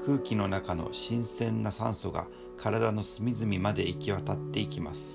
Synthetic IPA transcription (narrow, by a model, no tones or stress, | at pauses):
kʰɯ̟ːkʲino̞nakano̞̰ɕĩɰ̃sẽ̞nːasã̰ɰ̃so̞ɡa̰ | kʰaɾad̪ano̞sɨmʲizɨmʲimad̪e̞ikʲiβat̪at̪ːe̞ikʲimasɨ̥